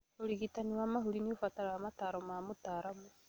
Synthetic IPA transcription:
oɾiɣitaniwaːmaɦuɾiniofataɾawamataːɾomamotaːɾamu

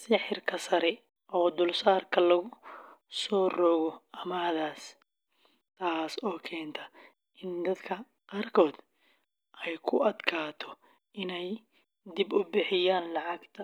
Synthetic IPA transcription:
sɪħɪrkʰɐsɐɾɛ | ʔɔːd̪ʊlsaːrkʰɐlɐɣʊsɔːrɔɣɔɐmaːðaːs | t̪ʰaːsɔːkʰɛːnt̪ʰɐ | ʔɪnd̪ɐd̪kʰɐ | qaːrkʰɔːd̪ | ʔɛjkʰʊɐd̪kʰaːt̪ʰɔ̥ | ɪnɛj | d̪ɪbʊbɪħɪjaːnlɑʕɑɡt̪ʰɐ

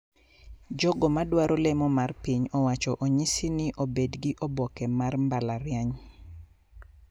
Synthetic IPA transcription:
d͡ʒɔɡɔmadwaɾɔlɛmɔmarpiɲɔwat͡ʃɔʔoɲɪsɪnɪʔobedɡiʔobɔkɛmarmbalaɾjaɲ

